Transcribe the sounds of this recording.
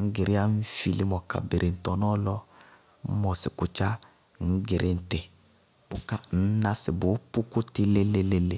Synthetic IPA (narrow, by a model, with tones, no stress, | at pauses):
ŋ̩˦ɡɪ˨ɾɪ˦a˦n̩˦fi˦li˦mɔ˨ka̰˨be˨ɾʔe˨n̩˨tɔ˨nɔ˦lɔ˦ | mɔ˨sɪ˨kʊ˨t͡ʃa˦˨ | ŋ̩˦ɡɪ˨ɾʔɪ˦n̩˨tɪ˨ | pʊ˦ka˦n̩˦na˦sɪ˨bʊ˨˦pu˦kʊ˦tɪ˦le˦le˦le˦le˨